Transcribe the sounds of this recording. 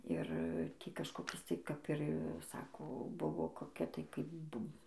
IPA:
ˈɪr ˈtʲiː kɐʃkoːˈkʲɪs tɐɪ kɐp ɪr ˈsɑːkoː ˈbʊʋoː koːˈkʲɛ tɐɪ kɐɪp ˈbʊm

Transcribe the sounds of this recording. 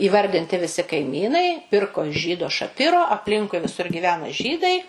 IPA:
iːˈʋɐrʲdʲɪnʲtʲɪ ʋʲɪˈsʲɪ kɐɪˈmʲiːnɐɪ ˈpʲɪrkoː ɪʃ ˈʒʲiːdoː ʃɐˈpʲɪroː ɐpʲˈlʲɪŋkʊɪ ʋʲɪˈsʊr ɡʲiːˈʋʲæːnɐ ˈʒʲiːdɐɪ

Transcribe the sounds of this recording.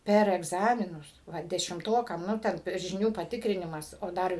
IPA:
ˈpʲɛr ɛɡˈzɑːmʲɪnʊs ʋɐ dʲɛʃʲɪmˈtoːkɐm ˈnʊ tʲɛn ʒʲɪˈnʲuː pɐˈtʲɪkrʲɪnʲɪmɐs oː ˈdɐr

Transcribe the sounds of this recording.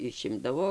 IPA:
ɪˈʃʲɪmdɐʋoː

